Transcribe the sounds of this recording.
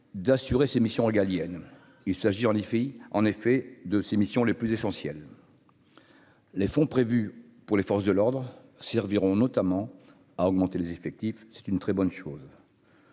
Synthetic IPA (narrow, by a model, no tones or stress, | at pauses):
d̪asyʁesemisjɔ̃iɡaljɛn | ilsaʒiɑ̃nefɑ̃nefɛd̪əsemisjɔ̃leplyzesɑ̃sjɛl | efɔ̃pχevy | puʁlefɔʁs̬d̪əlɔʁd̪ʁ | sɛʁviʁɔ̃nɔt̪amɑ̃ | aɔɡmɑ̃t̪elezefɛk̚t̪ifsɛ̥t̪ynt̪χɛbɔnʃoːz